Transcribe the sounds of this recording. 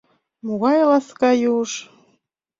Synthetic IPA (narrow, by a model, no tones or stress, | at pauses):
moɣɑjlɑskɑjuʃ